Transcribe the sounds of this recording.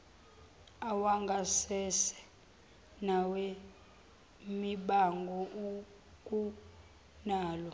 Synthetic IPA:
awaŋɡʱasɛsɛ̥ | nawe | miɓaŋɡʱɔʔu | k̬ʼu | naːlɔ

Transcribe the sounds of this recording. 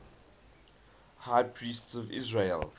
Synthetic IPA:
haɪpʰɹiːˑstsɔvɪ̰zɹel

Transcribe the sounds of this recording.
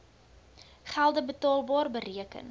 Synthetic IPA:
χælˠdəbətɑːlˠbɑːrbəriəkə̰n

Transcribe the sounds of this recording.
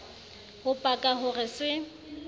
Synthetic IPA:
hʊpʼakʼaɦʊrɪswɪ

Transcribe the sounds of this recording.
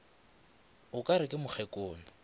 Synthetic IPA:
ʊkʼaɾɪkʼɪmʊk͡xʰɛkʼoːnʊ

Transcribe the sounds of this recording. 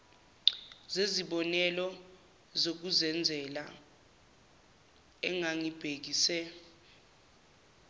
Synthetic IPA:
zeziɓɔnɛlɔ | zok̬uzɛnd͡zʱɛla̰ | ɛŋaŋib̥ʱek̬isɛ

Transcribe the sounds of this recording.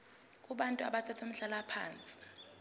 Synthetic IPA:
kʼuɓantʼua̰ɓat͡sʰatʰom̩ɬalapʰa̰ːnt͡sʼi̥

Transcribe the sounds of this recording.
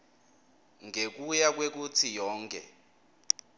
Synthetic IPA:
ŋek̬ujak̬wek̬ut͡sʰijɔːŋkʰʼɛ̰

